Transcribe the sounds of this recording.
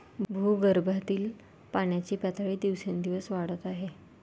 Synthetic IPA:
bʱuːɡəɾbʱat̪iːl | paɳjat͡ɕiːpɛt̪ʰaɭiːd̪iʋsẽnd̪iʋəsʋaɽət̪aɦe

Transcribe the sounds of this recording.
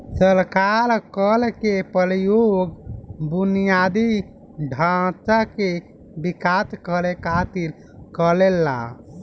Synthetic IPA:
səɾkaɾkəlkepəɾjoɡbunijad̪i | ɖʱat̪ake | bikat̪kəɾekat̪il | kəlelːa̰

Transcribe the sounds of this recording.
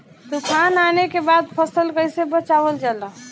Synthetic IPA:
d̪ukʰananekebad̪̚pʰəsəlkəjsebət͡ʃabəld͡ʒala

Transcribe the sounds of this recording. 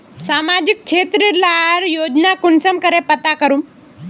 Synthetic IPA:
samad͡ʑik̚t͡ʃʰet̪ɾiɾlaɾjod͡ʑnakunsəmkəɾepət̪akəɾuːm

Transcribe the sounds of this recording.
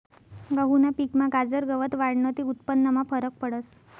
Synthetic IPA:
ɡəɦunapikmaɡad͡zəɾɡəʋət̪ʋaɽɳət̪iut̪̚pənːəmafəɾək̚pəɽəs

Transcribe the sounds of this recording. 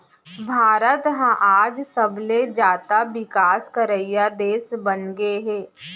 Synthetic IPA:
bʱaːɾət̪ɦãʔaːd͡ʒsəbled͡ʒaːt̪abɪkaːskəɾəjjad̪eːsbənɡeɦɛː

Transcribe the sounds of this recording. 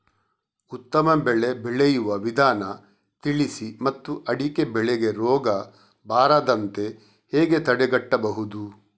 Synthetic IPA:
ut̪ːɐmɐbɛɭebɛɭejuʋɐʋid̪ʱaːnɐ | t̪iɭisimɐt̪ːuʔɐɽike̞bɛɭeɡe̞ɾɔːɡɐ | bʱaːɾaːd̪ɐnt̪e̞ | heːɡe̞t̪ɐɽeɡɐʈːɐbɐɦud̪u

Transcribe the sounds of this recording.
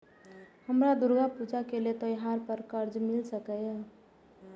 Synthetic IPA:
həmɾad̪uɾɡapud͡ʒakelet̪ɔjɦaɾpəɾkəɾd͡ʒmɪlsəkɛ

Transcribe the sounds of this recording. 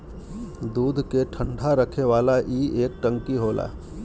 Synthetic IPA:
d̪uːd̪ʱkeʈʰə̃ɳɖʱaɾəkʰeʋaːlaʔiːʔeːk̚ʈə̃ŋkiɦoːla̰ː

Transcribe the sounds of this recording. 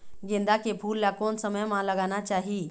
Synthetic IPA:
ɡẽnd̪akepʰuːlːjakonsəməjmaləɡanat͡ɕaɦi

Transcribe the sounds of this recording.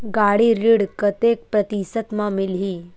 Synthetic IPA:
ɡaɽiɾiɽkət̪ek̚pɾət̪isət̪mamilɦi

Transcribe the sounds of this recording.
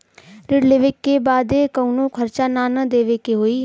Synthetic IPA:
ɾɪɽleʋɪkːeːbaːd̪eːkəunõːkʰəɾt͡ʃaːnaːnəd̪eːʋeːkeɦoːiː

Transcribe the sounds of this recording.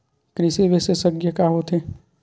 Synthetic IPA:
kɾɪseʋesesəɡjəkaɦot̪e

